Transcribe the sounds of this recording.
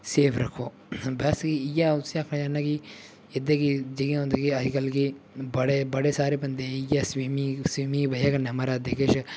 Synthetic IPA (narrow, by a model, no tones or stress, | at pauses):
seːpʰɾɐkʰoː | bɛskiɪjaːʊsĩaːkʰnãd͡ʒaːnaːki | ed̪ekid͡ʒəɡãɦõːnd̪ekiɐd͡ʒkəlki | bəɽebɐɽesaːɾeːbɐnd̪eɪjaːswiːmiswiːmibɐaːkɐnẽɦɐmaːɾad̪eːkʰeʃ